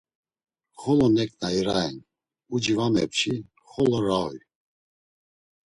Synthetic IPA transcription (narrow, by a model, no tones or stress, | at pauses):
χɔlɔnɛkʼnaiɾaɛn | ud͡ʒivamɛpt͡ʃʰi | χɔlɔɾawj